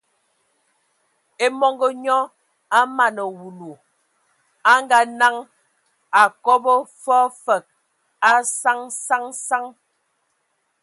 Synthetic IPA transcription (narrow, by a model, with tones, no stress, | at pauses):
e˦mɔ˦ŋɡɔ˦ɲɔ˦ | a˦ma˨nɔ˨wu˨lu˨ | a˦ŋ˦ɡa˦na˦ŋ | a˨kɔ˦bɔ˦fɔ˦fə˨k̚ | a˦sa˦ŋsa˦ŋsa˦ŋ